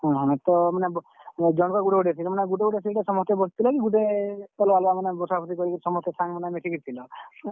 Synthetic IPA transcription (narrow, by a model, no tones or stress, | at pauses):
ɦɔ̃ɦɔ̃t̪ɔmaneb | d͡ʒɔ̃kɔɡuʈeɡuʈesʰimaneɡuʈeɡuʈesiʈesɔmɔst̪ebɔsʰt̪ʰilɔkiɡuʈeɔlɔalamanebɔsʰapʰɔt̪ikɔɾikiɾsɔmɔst̪esʰaŋmanemeʈʰikiɾt̪ʰilɔ